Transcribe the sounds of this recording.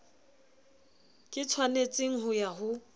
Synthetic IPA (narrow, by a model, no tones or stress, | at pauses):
kʼɪt͡sʰwanet͡sʼɪŋ̩ɦʊjaɦʊ